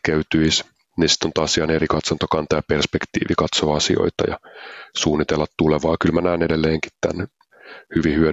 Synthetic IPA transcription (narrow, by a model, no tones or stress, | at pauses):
kæyt̪yis | nisi̥t̪ːont̪ɑːsiɑnerikɑt̪sɑnt̪okɑnt̪ɑjɑperspekt̪ḭːʋikɑt̪soːɑsio̞̰it̪ɑ̰jɑ̰suːnːit̪elːɑt̪t̪uleʋɑːkylmænæːnedelːeːŋki̥t̪t̪æ̰n | hyʋihyø